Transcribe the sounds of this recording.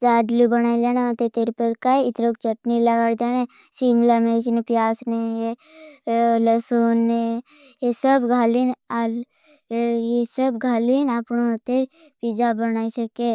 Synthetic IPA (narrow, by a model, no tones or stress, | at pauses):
d͡ʒaːɖlubəñaːileːnat̪et̪eɾpəɾkaiɪt̪ɾokt͡ʃəʈniləɡaːɽd̪eːne | siːmlamet͡ʃnepjaːsneje | ləsuːnːe | jesəbɡʱaːlinal | jesəbɡʱaːlinapnot̪e | piːd͡ʒabənaːisəke